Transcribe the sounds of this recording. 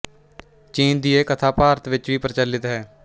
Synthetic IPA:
t͡ʃiːnd̪ieːkət̪ʰaːpaːɾət̪ʋɪt͡ʃʋiːpəɾt͡ʃəlːɪt̪ɦɛː

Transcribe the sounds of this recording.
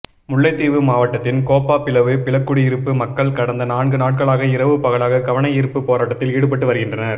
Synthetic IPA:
mʊɭːɐɪt̪ːiːʋɯmaːʋɐʈːɐt̪ːɪnkoːpːaːpɪlɐʋɯpɪɭɐkːʊɽiɪɾɯpːɯmɐkːɐɭkɐɽɐnd̪ɐnaːɳɡɯnaːʈ̚kɐɭaːɣɐɪɾɐʋɯpɐɣɐɭaːɣɐkɐʋɐɳɐɪjɪɾɯpːɯpːoːɾaːʈːɐt̪ːɪliːɽɯp̬ːɐʈːɯʋɐɾɯɣɪndrɐnɐɾ

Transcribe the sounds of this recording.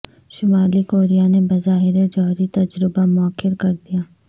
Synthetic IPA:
ʃʊmaːlikoːɾijanebɐzaːɦɪɾed͡ʒɔːɦɾit̪ɐd͡ʒɾɪbamʊəkʰːɪɾkɐɾd̪ijaː

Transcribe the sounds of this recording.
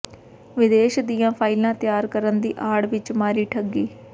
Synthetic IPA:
ʋɪd̪eːʃd̪ijãːpʰaːɪlãːt̪jaːɾkəɾənd̪ḭːʔaːɽʋɪt͡ʃmaːɾiːʈʰəɡiː

